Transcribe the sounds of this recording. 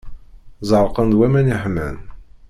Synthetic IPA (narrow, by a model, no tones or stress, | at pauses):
zˤəɾˤqənd̪wæmæniħmæ̰n